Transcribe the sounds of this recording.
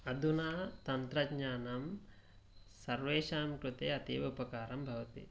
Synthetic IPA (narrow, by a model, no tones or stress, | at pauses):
ɐd̪ʱunaːt̪ɐnt̪ɾɐɡɲaːnɐm | sɐɾʋeːʃaːmkɾut̪eːɐt̪iːʋupɐkaːɾɐmbʱɐʋɐt̪ḭ